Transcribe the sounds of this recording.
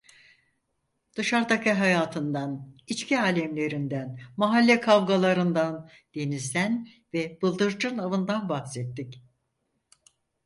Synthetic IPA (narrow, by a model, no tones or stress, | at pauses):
d̪̥ɯʃaɾd̪akɯɦajaːt̪ʰɯnd̪anit͡ʃciaːlʲɛmlʲe̞ɾind̪ænmaɦalʲːɛkʰavɡalˠaɾɯnd̪an | d̪̥e̞nizd̪æn | vɛb̥ɯlˠd̪ɯɾd͡ʒɯnavɯnd̪anbahsɛt̪ːic